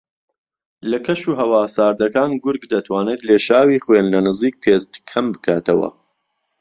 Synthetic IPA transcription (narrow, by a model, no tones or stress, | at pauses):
lɐkʰɐʃuːɦɐwaːsaːɾd̪ɐkaːnɡʊɾɡd̪ɐt̪ʰwaːnet̪leːʃaːwiːχwenlɐnɨziːk̚pʰeːst̪kʰɐmbɨkʰaːt̪ɐwɐ̰